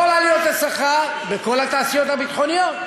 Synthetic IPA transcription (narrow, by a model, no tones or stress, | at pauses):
olalijot̪hasaχa | beko̞lhat̪aːsijot̪habit̪χonijot̪